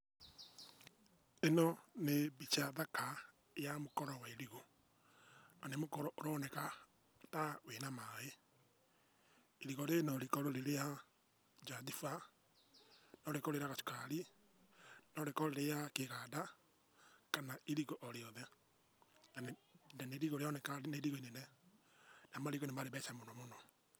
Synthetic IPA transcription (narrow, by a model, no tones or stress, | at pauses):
enɔnebit͡ʃaðaka | jamokɔɾɔwaeɾiɣo | anemokɔɾɔʔoɾɔnɛka | tawenamae | eɾiɣɔɾenɔɾikɔɾoɾeɾeja | d͡ʒadifa | nɔɾekɔɾeɾeaɣasu̥kaɾi | nɔɾekɔɾeɾejakeɣada | kanaiɾiɣɔʔɔɾeɔðɛ | nannɛneɾiɣoɾeɔnɛkaneɾiɣoinenɛ | namaɾiɣonemaɾeβɛsamonɔmonɔ